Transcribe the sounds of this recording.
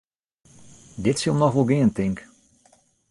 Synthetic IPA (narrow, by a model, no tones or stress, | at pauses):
dɪtsilˠmnɔxʋolˠɡɪəntɪŋk